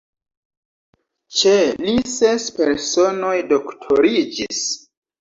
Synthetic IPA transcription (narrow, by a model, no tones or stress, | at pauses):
t͡ʃelisespeɾso̞no̞jdoktʰoɾid͡ʒis